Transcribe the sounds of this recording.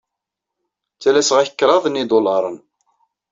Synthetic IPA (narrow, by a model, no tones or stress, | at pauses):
t͡sːælæsʁæçə̥kːɾˤɑðˤnid̪ˤolɑɾˤən